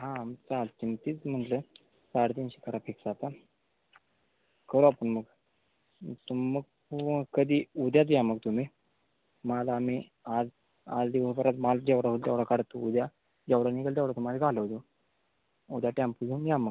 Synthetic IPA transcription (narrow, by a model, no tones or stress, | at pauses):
ɦãmt͡salt͡ɕimt̪iːt͡sm̤əɳʈlə | t͡saɽt̪̬iːnɕi̥kaɾapiksat̪a | kəɾoapəɳməɡ | t̪umːəɡ̚pukəd̪iːud̪jat͡s̬jaməɡ̚t̪um̤i | malaːm̤i | ad͡z | a̰d͡zd̪iʋəsbəɾat͡smald͡ʑɛʋɽaɦuld͡ʑɛʋɽakaɽt̪ːoud̪ja | d͡ʑɛʋɽanikəld͡ʑɛʋɽat̪umaliɡʱaləʋt̪o | ud̪jaʈampud͡zunjaməɡ